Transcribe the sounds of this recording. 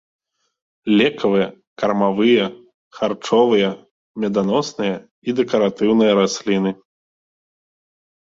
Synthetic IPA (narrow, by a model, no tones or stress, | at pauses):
lʲɛkʰɐvɨjɐ | kɐrmavɨjɐ | xart͡ʂɔvɨjɐ | mʲɛd̪anɔsnɨjɐ | id̪ɛkɐɾat̪ɨwnɨjɐɾasʲlʲin̪ɨ